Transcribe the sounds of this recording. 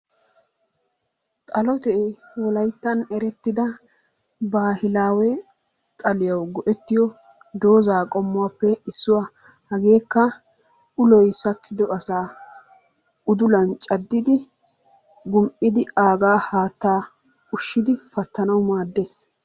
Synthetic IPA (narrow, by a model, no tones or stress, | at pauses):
t̪ʼɐlɔt̪ɛwɔlɐjt̪ːɐnɛɾɛt̪ːɪd̪ɐ | baːhɪlaːwɛ | t̪ʼɐlɪjɐwɡɔʔɛt̪ːɪjɔ | d̪o̞ːzaːkʼɔmːʊwapːɛɪsːʊwa | hɐɡe̞ːkːɐ | ʊlɔjsɐkʰːɪd̪ɔɐsaː | ʊd̪ʊlɐnt͡ʃʼɐd̪ːɪd̪ɪ | ɡʊmpʼɪd̪ɪaːɡaːhaːt̪ːaː | ʊʃːɪd̪ɪfɐt̪ːɐnɐwmaːd̪ːeːs